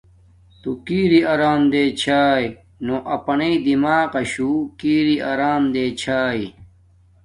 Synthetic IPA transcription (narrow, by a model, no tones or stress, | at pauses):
t̪ukiːɾiɐɾaːmd̪eːt͡ɕʰaːj | noʔɐpɐneid̪imaːqɐɕuːkiːɾiaɾaːmd̪eːt͡ɕʰaːi